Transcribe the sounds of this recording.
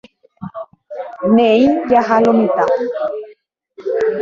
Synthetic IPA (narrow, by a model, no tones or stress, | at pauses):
neijaɦalomĩt̪a